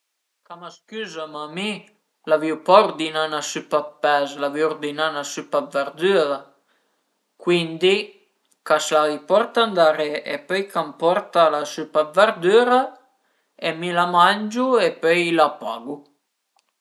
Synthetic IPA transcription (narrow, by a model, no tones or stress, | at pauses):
kamaskyːzamami | laviwpaurd̪inanasypapːɛzlaviurd̪inanasypab̪vɛɾd̪yɾa | kwind̪i | kaslavipɔrt̪and̪aɾeepœjkʰampɔrt̪alasypab̪vɛɾd̪yːɾa | emilamand͡ʒuepøjlapa̰ɡu